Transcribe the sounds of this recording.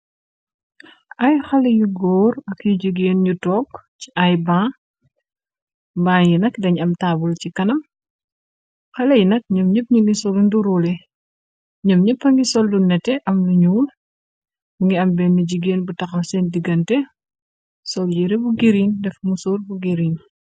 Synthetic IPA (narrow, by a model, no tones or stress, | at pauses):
ʔɐjxɐlɐjuɡɔːɾɐkjuɟiɡeːnɲutɔːkciʔɐjbãː | baːŋjinɐkdɐɲɐmtaːbulcikɐnɐm | xɐlɐjinɐk̚ɲɔmɲəp̚ɲuŋɡisɔlunduɾulɛ | ɲɔmɲəpːɐŋɡisɔlːunɛtɛʔɐmluɲuːl | muŋɡiɐmbɛnːuɟiɡeːnbutɐxɐwsɛndiɡɐntɛ | sɔljiɾɛbuɡiɾindɛfmusoːrbuɡiɾin